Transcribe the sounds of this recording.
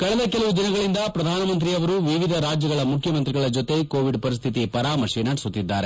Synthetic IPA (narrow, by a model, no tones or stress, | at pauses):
kɐɭɛd̪ɐkɛlɐʋud̪inɐɡɐɭind̪ɐpɾɐd̪ʱaːnɐmɐnt̪̬ɾiɐʋɐɾuʋiʋid̪ʱɐɾaːd͡ʒjɐɡɐɭɐmukʰjɐmɐnt̪ɾiɡɐɭɐd͡ʒot̪e̞koːʋiɖpɐɾist̪ʰit̪ipɐɾaːmɐʂiːnaːʈsut̪ːid̪ːaːɾe